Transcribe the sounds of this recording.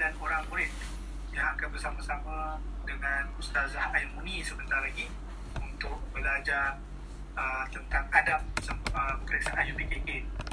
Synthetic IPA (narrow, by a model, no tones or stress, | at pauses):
danoɾaŋpuɾɪt̪̚ | jaŋakanbərsamasamãdəŋanust̪azahajmunisəbənt̪arlaɡi | unt̪ʊk̚bəlad͡ʒa | ət̪ənt̪aŋadap̚səməəməɾik̚saʔanjupikiʔɪn